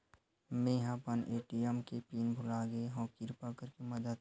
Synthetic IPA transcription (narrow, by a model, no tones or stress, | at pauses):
mẽːɦãːpənʔeːʈiɛmkepiːnbʱʊlaːɡeɦõːkɪɾpakəɾkimɐd̪əd̪̚